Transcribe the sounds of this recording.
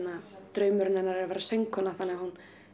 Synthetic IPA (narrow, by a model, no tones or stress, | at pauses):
nat̪ɾœːɥmʏɾɪnɛɾnaɾɛɾvɛːɾasejŋkʰɔnaθanːɛɣahun